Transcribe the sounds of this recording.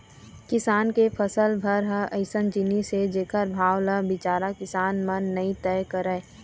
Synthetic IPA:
kɪsaːnkepʰəsəlbʱəɾɦəəɪsənd͡ʒɪnised͡ʒeːkəɾbʱaːwləbɪt͡ʃaːɾakɪsaːnmənːəĩt̪ɛːjkəɾəj

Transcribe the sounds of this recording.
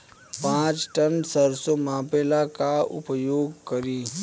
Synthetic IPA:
pãːt͡ʃʈənsəɾsomãːpelakaʊ̰pəjoːɡkəɾiː

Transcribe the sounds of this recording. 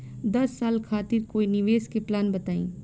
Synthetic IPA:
d̪ɐsːaːlkʰaːt̪ɪɾkoːinɪʋeːskeplaːnbɐt̪aːḭ̃ː

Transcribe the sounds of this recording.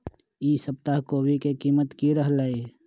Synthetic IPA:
iːsəp̚t̪aɦkoːbʱikekiːmət̪kiɾəɦlaːeː

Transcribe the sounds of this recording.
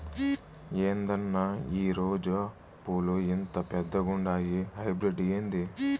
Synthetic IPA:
eːnd̪ɐnːɐiːɾoːd͡ʒɐ | puːluint̪ɐpɛd̪ːɐɡuɳɖaːɡiɦɐjbɾiɖijend̪i

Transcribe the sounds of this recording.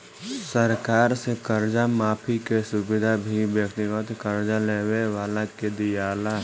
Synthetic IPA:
səɾkaːɾsekəɾd͡ʒamaːpʰikesʊbɪd̪ʱabʱibjəkt̪ɪɡət̪kəɾd͡ʒaleːweʋaːlaked̪ijaːla

